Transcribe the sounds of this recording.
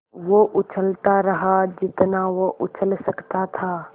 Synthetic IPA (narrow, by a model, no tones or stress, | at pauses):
ʋoʔʊt͡ʃʰəlt̪aɾəɦad͡ʒɪt̪naʋoʔʊt͡ʃʰəlsəkt̪at̪ʰa